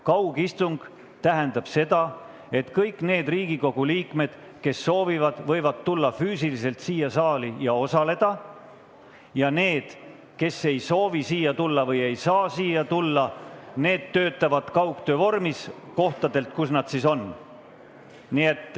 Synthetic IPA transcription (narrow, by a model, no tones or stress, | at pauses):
kɑwɡ̥ist̪uŋɡ̥ | t̪æɦe̞nd̪ɑb̥se̞d̪ɑ | e̞t̪kɤjkːˑne̞ːd̪̥riːɡ̥iko̞ɡ̥uliːkme̞d̪̥ | ke̞sːo̞ːvivɑd̪̥vɤjvɑd̪̚t̪ulːɑfyːsilise̞lt̪siːjɑsɑːlijɑo̞sɑle̞d̪̥ɑ | jɑne̞ːd̪̥ | ke̞se̞jso̞ːvisiːjɑt̪ulːɑvɤje̞jsɑːsiːjɑt̪ulːɑne̞ːd̪̥t̪ːø̞ːt̪ːˑɑvɑd̪̥kɑwkt̪ø̞vo̞rmis | ko̞ht̪ɑd̪e̞lt̪̚kusnɑd̪̥siso̞n | nie̞t̪ːˑ